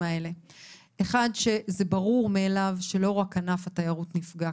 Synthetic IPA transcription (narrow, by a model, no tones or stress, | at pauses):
aele̞ | eχadʃe̞zebaʁuʁmeːlavʃe̞lo̞ʁakanafatajaʁutnifɡa